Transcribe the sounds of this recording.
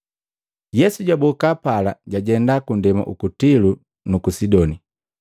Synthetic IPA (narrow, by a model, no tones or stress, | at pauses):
jɛsuɟabɔkapalaɟaɟɛndakundɛma̰ʔṵkutilu | nukusidɔni